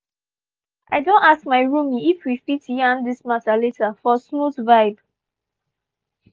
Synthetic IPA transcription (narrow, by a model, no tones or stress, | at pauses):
ʔaɪdõntaskmaɪɹũmiifwifitjãndismataletafɔsmutvaɪb